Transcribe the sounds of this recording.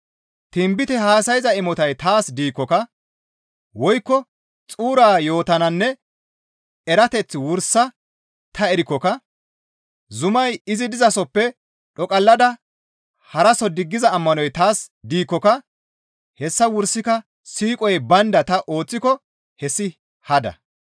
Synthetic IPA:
t̪ɪmbɪt̪ɛhaːsɐjzɐɪmɔt̪ɐjt̪aːsd̪iːkːɔkɐ | wɔjkːɔ | t͡sʼuːɾaːjo̞ːt̪ɐnɐnːɛ | ɛɾɐt̪ɛt͡sːwʊɾsɐ | t̪ɐɛɾɪkːɔkɐ | zʊmɐjɪzɪd̪ɪzɐsɔpːɛ | ɗɔkʼɐlːɐd̪ɐ | hɐɾɐsɔd̪ɪɡːɪzɐːmːɐnɔjt̪aːsd̪iːkːɔkɐ | hɛsːɐwʊɾsɪkɐ | siːkʼɔjbɐnd̪ɐt̪ɐʔo̞ːt͡sːɪkɔ | hɛsːɪ | hɐd̪ɐ̰

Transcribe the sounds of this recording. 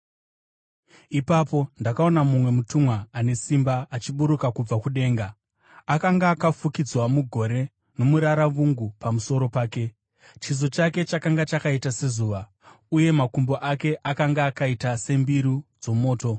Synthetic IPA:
ipapo̞ndakao̞namumwe̞mutumwaane̞simbaːt͡ʃiɓuɾukakub͡vakuɗe̞ːŋɡa | akaŋɡaːkafukid͡zwamuɡʱo̞ɾe̞ | no̞muɾaɾaʋuŋɡupamuso̞ɾo̞paːke̞ | t͡ʃiz̬o̞t͡ʃake̞t͡ʃakaŋɡat͡ʃakaitase̞zuːʋa | uje̞makumbo̞ʔake̞ʔakaŋɡaːkaitase̞mbiɾud͡zo̞mo̞ːto̞

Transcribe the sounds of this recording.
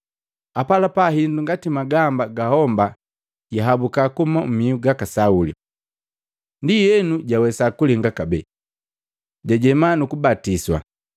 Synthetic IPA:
apalapaɦinduŋɡatimaɡambaɡahɔmba | ɟaɦabukakumam̩miuɡakasaulḭ | ndijɛnuɟawɛsakuliŋɡakabɛ | ɟaɟɛmanukubatiswa̰

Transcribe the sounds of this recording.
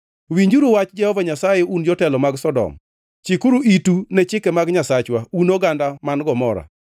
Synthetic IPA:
wiɲd͡ʒuɾuwat͡ʃd͡ʒɛhɔvaɲasajeund͡ʒɔtɛlɔmaɡsɔdɔ̰m | t͡ʃikuɾuitunɛt͡ʃɪkɛmaɡɲasat͡ʃwaunoɡandamanɡɔmɔɾa̰

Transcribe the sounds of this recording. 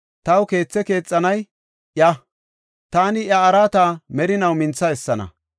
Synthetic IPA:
t̪ɐwke̞ːt͡sːɛke̞ːt͡sʼːɐnɐj | ʔjɐ | t̪aːnɪjɐːɾaːt̪aːmɛɾɪnɐwmɪnt͡sːɐɛsːɐnɐ̰

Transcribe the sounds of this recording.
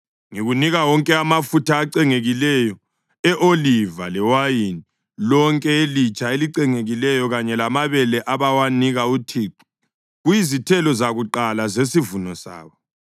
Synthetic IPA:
ŋiɣuniɣawɔŋkʼɛamafutʰaːǀɛŋeɣilɛjɔ | ɛʔoliva̰lɛwajini | lɔŋkʼɛelit͡ʃʼaeliǀɛŋeɣilɛjɔɣaɲɛlamaβɛlɛʔaβawaniɣautʰiːǃɔ̥ | ɣujizitʰɛlɔzaɣuǃalazesivunɔsa̰ːβɔ

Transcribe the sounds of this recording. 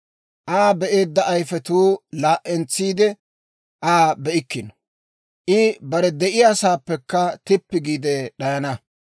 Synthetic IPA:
ʔaːbɛʔe̞ːd̪ːɐʔɐjfɛt̪uːlaːʔɛnt͡sːiːd̪ɛ | ʔaːbɛʔɪkːɪnɔ̥ | ʔɪbɐɾɛd̪ɛʔɪjaːsaːpːɛkːɐt̪ɪpːɪɡiːd̪ɛɗɐjɐnɐ

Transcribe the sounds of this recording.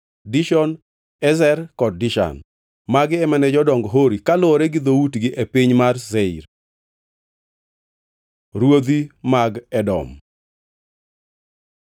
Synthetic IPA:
diʃɔn | ɛzɛrkɔd̚ːɪʃa̰n | maɡɛmɛnɛd͡ʒɔdɔŋɡɔɦoɾikalɔɾɛɡɪd̪outɡɪʔepiɲmarzeḭɾ | ɾwod̪imaɡɛdɔ̰m

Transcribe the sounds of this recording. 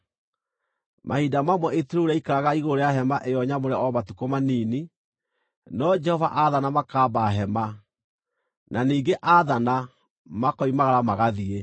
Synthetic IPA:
mahidamamwɛʔeteɾoɾɛikaɾaɣaiɣoɾejaɦɛmaʔejɔɲamoɾɛɔmatukomaniːni | nɔd͡ʒɛhɔvaʔaðanamakabaɦɛma | naniːɡeʔaðana | makɔimaɣaɾamaɣaðie

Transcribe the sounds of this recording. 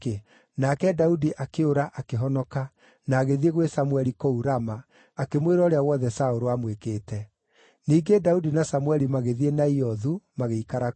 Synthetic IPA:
e | nakɛdaudiʔakeoɾaʔakeɦɔnɔka | naːɣeðieɣwesamwɛɾikouɾamaː | kemweɾɔːɾeawɔðɛsaoɾoamwekeːtɛ | niːɡedaudinasamwɛɾimaɣeðienaiɔðumaɣeikaɾa

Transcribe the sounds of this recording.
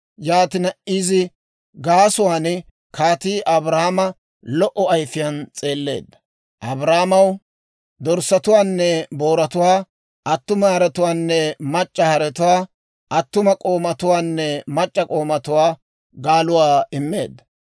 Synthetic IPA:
jaːt̪ɪnɐʔiːzɪ | ɡaːsʊwaːnɪ | kaːt̪iːʔɐbɾahmɐ | lɔʔɔɐjfɪjɐnt͡sʼe̞ːlːe̞̰ːd̪ːɐ̥ | ʔɐbɾaːmɐw | d̪ɔɾsɐt̪ʊwaːnːɛboːɾɐt̪ʊwaː | ʔɐt̪ːʊmɐhɐɾɛt̪ʊwaːnːɛmɐt͡ʃʼːɐhɐɾɛt̪ʊwaː | ʔɐt̪ːʊmɐkʼo̞ːmɐt̪ʊwaːnːɛmɐt͡ʃʼːɐkʼo̞ːmɐt̪ʊwaː | ɡaːlʊwaːɪmːe̞ːd̪ːɐ

